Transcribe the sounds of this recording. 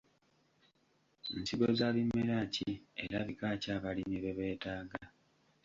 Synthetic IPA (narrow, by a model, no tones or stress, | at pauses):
nsiβozaːβimːeɾaːcie̞ɾaβikaːcaːβalimiβeβe̞ːtaːɡa